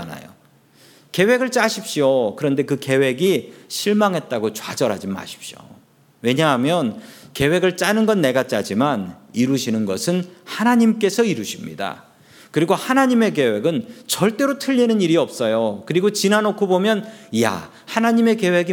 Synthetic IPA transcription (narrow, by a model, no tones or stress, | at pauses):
na̰jo̰ | ke̞we̞ɡɯɭt͡ɕ͈aɕʰip̚ɕ͈iokɯɾʌnde̞kɯke̞we̞ɡiɕʰiɭmaŋɦe̞t̚t͈aɡot͡ɕwa̰d͡ʑʌɾɦad͡ʑima̰ɕʰi̥p̚ɕ͈jo̰ | we̞ɲaɦamjʌnke̞we̞ɡɯɭt͡ɕ͈anɯnɡʌnːe̞ɡat͡ɕ͈ad͡ʑimaniɾuɕʰinɯnɡʌsʰɯnhanaɲimk͈e̞sʰʌiɾuɕʰimɲḭda̰ | kɯɾiɡohanaɲime̞k̬e̞we̞ɡɯnt͡ɕʌɭt͈e̞ɾotʰɯʎːinɯniɾiʌp̚s͈ʌjokɯɾiɡot͡ɕinanokʰobomjʌnja̰ | hanaɲime̞ke̞we̞ɡi